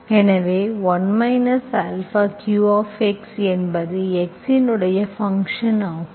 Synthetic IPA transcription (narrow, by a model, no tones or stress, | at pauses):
ɛnɐʋeːʋɐnmɐɪnɐsalfɐkjuːaːfɛksɛnbɐðɯɛksɪnɯɽɐjɐfɐŋkʂɐnaː